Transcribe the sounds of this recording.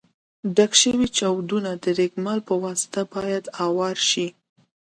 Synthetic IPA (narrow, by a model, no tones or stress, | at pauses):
ɖakʃəwit͡ʃawd̪unad̪əɾekmɑlpəwɑsɪ̥t̪abɑjad̪ɑwɑɾʃi